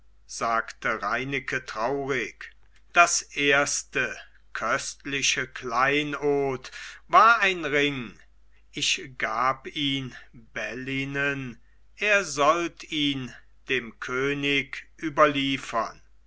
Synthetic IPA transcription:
z̥aːktəʁaɪnɪkʰətʁ̥aʊʁɪk | d̥asʔeːɐstə | kʰœstlɪʃəklaɪnoːtvaːɐaɪnʁɪŋ | ʔɪçɡ̥aːpiːnbɛlinən | ʔeːɐzɔltiːn | d̥eːmkʰøːnɪkʔyːbɐliːfɐn

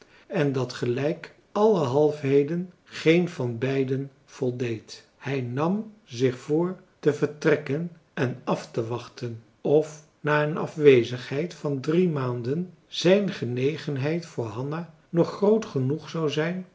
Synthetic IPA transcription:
ɛndɑtχəlɛjk | ɑləɦɑlˠfɦejdən | χejnvɑnbɛjdən | v̥ɔlˠdejt | hɛjnɑmzɪχfʊːɹ | təvəɹtrɛkən | ɛnɑftəʋɑχtən | ɔf | naːənɑ̰fʋejzəχɦɛjtfɑndrimaːndən | z̥ɛjnχənejχənɦɛjtfʊːɹɦɑna | nɔχrowtχənuχsɑwzɛjn

